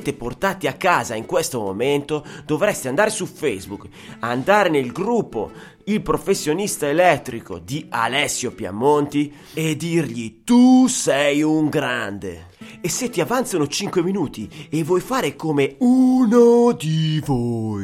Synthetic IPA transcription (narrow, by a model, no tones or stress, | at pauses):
t̪eport̪aːt̪iakːaːzaiŋkwest̪omo̰mɛnt̪od̪ovɾɛst̪eand̪aːɾesufejzbuk | and̪aːɾenelɡɾupːo̰ | ilpɾofesːjonist̪aelɛt̪ːɾiko̰d̪ia̰lɛsːjopja̰mːont̪i | ed̪ːirʎit̪usɛjuŋɡɾand̪ḛ | esːet̪ːiavant̪sonot͡ʃiŋkweminuːt̪ievːwɔjfaːɾekomeunod̪ivo